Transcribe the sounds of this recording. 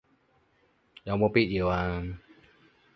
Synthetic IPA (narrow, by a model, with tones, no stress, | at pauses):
ja˨˧˩mo˧pi˦˧t̪̚ji˨˩˨wa˧